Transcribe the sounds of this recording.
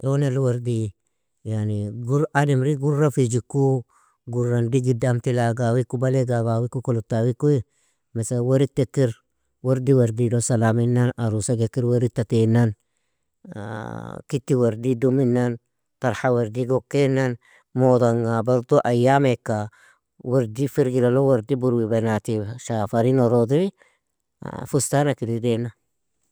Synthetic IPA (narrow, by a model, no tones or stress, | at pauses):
ʔonelwaɾdi | janiɡuɾanimɾiɡuɾɾafid͡ʒikːu | ɡuɾːandiɡidamt̪ilaɡawikːubaleɡaɡawikːukolutːawikui | mesawaɾitːekːiɾ | waɾdiwaɾdidosalaminːanaɾusaɡekːiɾweɾitːatenan̰ | kitːiwaɾdiduminːan | taɾhawaɾdiɡɔkːenan | modaŋɡabaɾt̪oʔajamekːa | waɾdifiɾɡilalowaɾdibuɾwibanatiʃafaɾinoɾodiɾḭ | fustanakiɾidena